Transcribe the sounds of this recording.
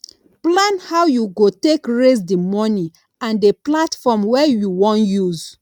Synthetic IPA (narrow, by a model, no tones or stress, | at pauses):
plãnhaʊjuɡotekɹes̬dimɔni | ãndeplatfɔmwɛjuwɔ̃njuz